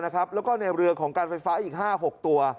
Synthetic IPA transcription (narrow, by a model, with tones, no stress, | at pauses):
na˦˥kʰɾa˦˥p̚lɛː˦˥wkɔː˥˩na˧jɾɯ˧əkʰɔː˩˦ŋkaː˧nfa˧jfaː˦˥ʔiː˨˩k̚haː˥˩ɦo˨˩k̚t̪u˧ɐ